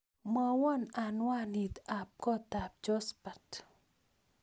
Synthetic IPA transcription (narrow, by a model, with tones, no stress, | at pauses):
ma˨wɔ˦na˨nwa˦ni˨t̪a˨p̚kɔ˦t̪a˨p̚d͡ʒɔ˦spat